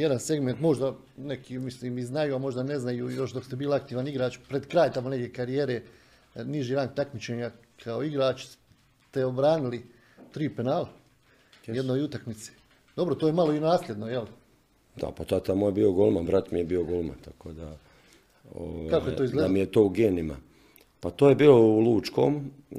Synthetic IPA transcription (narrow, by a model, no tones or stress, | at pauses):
jed̪anse̞ɡme̞nt̪mo̞ʒd̪a | nekʰimisliːmiznajuːamo̞ʒd̪ane̞znajuːjo̞ʃd̪o̞kst̪ebiːlak̚t̪iːʋaniɡɾaːt͡ʃpɾed̪kɾaːjt̪amone̞ɡjʲekaɾijeːɾeː | niʒiɾant̪akmit͡ʃeːɲa | kʰao̞iɡɾaːt͡ʃs | t̪e̞obɾaːnili | t̪ɾiːpenaːl | jed̪noːjut̪akmit̪se̥ | d̪obɾot̪ojemaloinaːslʲe̞d̪no̞jel | d̪a̰pat̪at̪amoːjebioɡolmanʋɾat̪mijebiːoɡolma̰nt̪akoːd̪a | o̰ʋakakojeoːizɡled̪amijet̪oːuɡeːnima̰ | pat̪oːjebiːlouluːt͡ʃko̰ːm